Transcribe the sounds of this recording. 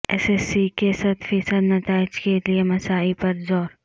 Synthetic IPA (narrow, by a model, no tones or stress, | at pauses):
ɛ̰sɛsːikesɐt̪ʰfiːsəd̪nɐt̪aːɪd͡ʒkeliemɐsaːipɐɾzɔːɾ